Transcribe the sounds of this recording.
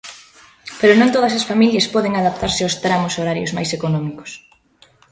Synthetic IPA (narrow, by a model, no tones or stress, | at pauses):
peɾʊnõnt̪oð̞ɐs̬ɐsfamiljɐspɔðeŋaðap̚t̪aɾsɪawst̪ɾamʊsoɾaɾjo̰zmajsekonɔmikʊ̥s